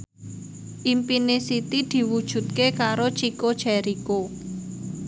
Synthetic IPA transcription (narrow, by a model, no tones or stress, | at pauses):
ʔimpinesit̪id̪̥i̤wud̥ʒ̥ṳt̪̚kekaɾot͡ʃikod̥ʒ̥ɛɾiko